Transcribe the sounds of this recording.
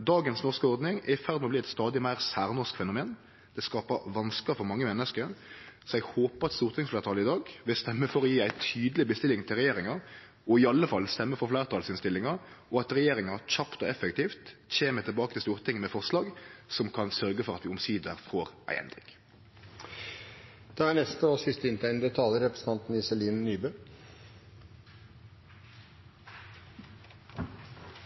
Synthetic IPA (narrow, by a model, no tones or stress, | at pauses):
d̪ɑːɡənsnɔʁskəɔɾd̪nɪŋɛɪfæʁd̪mɔbliːɛt̪st̪ɑːd̪ɪmæɪʁsæːʁnɔʁskfɛnʊmeːn | d̪̥ɛskɑːpəʋɑnskəfɔɾmɑŋːəmɛnːəskəɾsɔɛɡhoːpəʁɑt̪st̪uːɾt̪ʰɪŋsfleːʁt̪ʰɑːlɪd̪ɑːɡʋɪlst̪ɛmːəfɔɾɔjiːæɪt̪ʰyːd̪əlɪbəst̪ɪlɪŋt̪ʰɪlʁɛjeːɾɪŋɑɾ | ɔɪɑlːəfɑlst̪ɛmːəfɔflæːɾt̪ʰɑːlsɪnst̪ɪlːɪŋɑ | ɔɑt̪ɾɛjeːɾɪŋɑçɑpt̪ɔɛfəkt̪ʰiːft̪çeːmət̪ʰɪlbɑːkət̪ʰɪlst̪uːʁt̪ʰɪŋːmɛfɔʁslɑːɡsɔmkʰɑnsœʁɡəfɔʁɑt̪ʋɪːʊmsiːd̪əʁfoːʁʔæ̰ɪʔɛ̰nd̪ʁɪ̰k | d̪̥ɛæɳɛst̪əɔsɪst̪əɪnt̪ʰæɪnd̪ət̪ʰɑːləɾɛpɾəsn̩t̪ɑnt̪n̩ɪsɛliːnnyːbøː